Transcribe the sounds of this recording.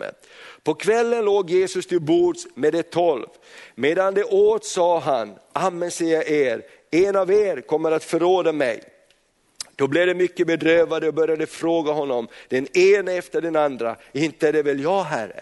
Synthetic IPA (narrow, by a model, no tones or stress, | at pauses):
ə̰ | pʰɔkʰvɛlːənloːɡjeːsɵst̪ʰɪlbuːdsmeːd̪ɛt̪ʰɔlv | meːd̪and̪ɛʔoːt̪sɑːɦanʔamːənsɛjaʔeːɾ | ɛnaveːɾkʰɔmːəɾat̪fœɾoːd̪amɛ̰j | d̪̥ɔblɪɛvd̪ɛmʏkːəbɛd̪ɾøːvad̪əɔbœɾjad̪əfɾoːɡaɦɔnːɔmd̪̥ɛneːnaɛft̪əɖɛnand̪ɾa̰ɪnt̪əæɖɛvɛljɑːɦæɾːə̰